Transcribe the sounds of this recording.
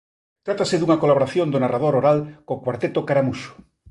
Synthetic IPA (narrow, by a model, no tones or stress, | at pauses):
t̪ɾat̪aseðuŋakolaβoɾaθjõnd̪onarað̞oɾoɾalkokwaɾt̪et̪okaɾamuso̥